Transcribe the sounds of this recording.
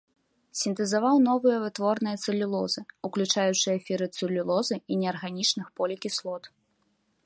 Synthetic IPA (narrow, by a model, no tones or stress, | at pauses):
sʲint̪ɨzavawn̪ɔvɨjɐvɨt̪vɔrnɨjɐt̪sɨlʲulˠɔzɨuklʲut͡ʂajut͡ʂɨjɐfʲiɾɨt̪sɨlʲulˠɔzɨinʲɛɐrɣanʲit͡ʂnɨxpɔlʲikʲislˠɔt̪